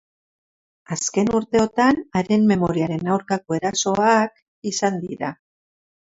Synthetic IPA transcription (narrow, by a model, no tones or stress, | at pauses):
aske̞nuɾt̪e̞o̞t̪anaɾe̞mme̞mo̞ɾiaɾe̞nawɾkako̞e̞ɾaso̞ak | isand̪ḭɾa